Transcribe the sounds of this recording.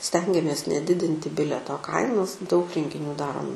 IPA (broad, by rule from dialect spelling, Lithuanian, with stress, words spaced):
ˈsʲtʲɛŋʲɡʲɛmʲeːs nʲɛˈdʲɪdʲɪnʲtʲɪ ˈbʲɪlʲɛtoː ˈkɐɪnoːs dɐʊk rʲɛŋʲɡʲɪˈnʲuː ˈdɑːroːm